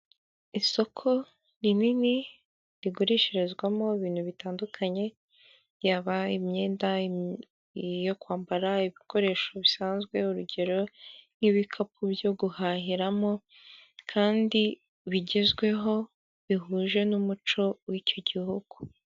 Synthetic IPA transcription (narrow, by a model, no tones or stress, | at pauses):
iso̞kʰo̞ | ɾinini | ɾiɡuɾiʃeɾezɡwamo̞iβiːn̥huβitaːndukʰaɲe̞ | jaːβaimɲe̞ːnda | jokwaːmbaɾaiβikʰo̞ɾe̞ːʃo̞βisaːnzɡwe̞uɾuɟe̞ɾo̞niβikʰap̚ubjo̞ɡuhaɦiɾamo̞ | kʰaːndi | βiɟezɡwe̞ɦo̞ | βiɦuːʒe̞numut͡ʃo̞wiːco̞ɟihuɡ̥u